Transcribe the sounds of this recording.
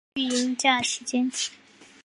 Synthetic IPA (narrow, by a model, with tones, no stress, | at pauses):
y˥˩ji˧˥i˥˩t͡ɕja˥˩ə˩ʂɻ̩˧˥t͡ɕjɛ˥n˨